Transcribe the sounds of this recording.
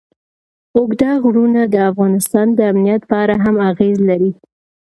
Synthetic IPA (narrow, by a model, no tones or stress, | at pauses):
ʊɡd̪ɑɣɽunad̪əafɣɑnɪst̪ɑnd̪əamnijat̪pɑɾaɦamaɣezlaɾi